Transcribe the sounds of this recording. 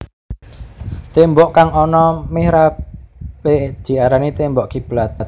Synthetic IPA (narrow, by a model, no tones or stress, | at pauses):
t̪embɔʔkaŋɔnɔmehɾa | ɓeʔd̥ʒ̥i̤aɾanit̪embɔʔkib̥lat̪t̪̚